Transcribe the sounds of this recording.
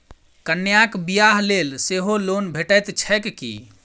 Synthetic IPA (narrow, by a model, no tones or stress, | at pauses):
kənːjakbijaɦlelseɦolonbʱeʈəjt̪t͡ʃʰəkkḭ